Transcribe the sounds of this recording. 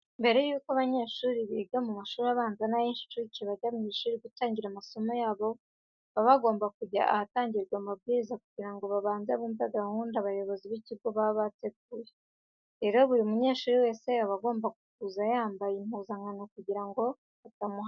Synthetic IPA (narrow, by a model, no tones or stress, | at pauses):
mbe̞ɾe̞juːkoaβaɲe̞ːʃuːɾiβiːɡamumaʃuːɾaβaːnzanajinʃi̥tuɾiciβaɟaβɲiʃuːɾiɡutaːɲɟiɾamaso̞mo̞jaːβo̞ | βaβaɡo̞ːmbakuɟa̰aataːɲɟiɾɡwamab̚ɡiːɾizakuɟiɾaŋɡo̞βaβaːnzaβuːmbaɡahuːndaβajo̞βo̞ziβiciɾɡoβaβateɡ̚uːje | ɾe̞ɾo̞βuɾimuɲe̞ːʃuːɾiwe̞ːse̞aβaɡo̞ːmbaɡukuzajaːmbajimuːzaŋɡanokuɟiɾaŋɡo̞ | βatamu